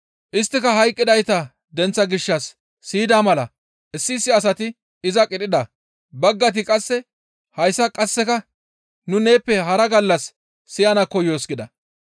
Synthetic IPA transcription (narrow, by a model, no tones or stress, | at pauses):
ʔɪst̪ːɪkɐɦɐjkʼːɪd̪ɐjt̪ɐ | d̪ɛnt͡sːɐɡɪʃːɐsː | iːd̪aːmɐlɐ | ʔɪsːɪːsːɪɐs̬ɐt̪ɪ | ɪzɐkʼɪᶑ̪ʼɪd̪ɐ | bɐɡːɐt̪̬ɪkʼɐsːɛ | hɐjsːɐkʼɐsːɛkɐ | nʊne̞ːpːɛɦɐɾɐɡɐlːɐsː | ɪjɐnɐkɔjoːsɡɪd̪ɐ